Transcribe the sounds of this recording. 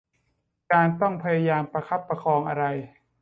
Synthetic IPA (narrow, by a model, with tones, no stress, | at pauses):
kaː˧nt̪ɔ˥˩ŋpʰa˧ja˧jaː˧mpɾa˧kʰa˦˥pːɾa˧kʰɔː˧ŋʔa˧ɾa˧j